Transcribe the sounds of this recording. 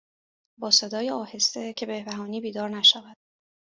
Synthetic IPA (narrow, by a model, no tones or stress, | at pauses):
bɒːse̞d̪ɒːjeɒːhe̞st̪e̞cʰe̞behbæɦɒːniːbiːd̪ɒːɾnæʃævæd̪̥